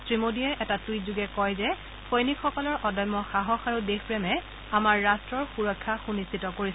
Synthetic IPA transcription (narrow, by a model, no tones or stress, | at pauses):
tɹimodiɛʔɛtatujzuɡɛkɔjzɛ | xʰojnikxɔkɔlɔɹʔɔdɔjmːɔxaɦɔxaɹudexpɹɛmɛ | amaɹːastɹɔɹxuɹɔkʰːaxunistʰitɔkoɹis